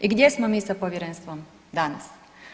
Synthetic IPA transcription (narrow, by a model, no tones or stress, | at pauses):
iɡd̪ʲjesmomiːsapoʋjeɾenst̪ʋom | d̪ana̰s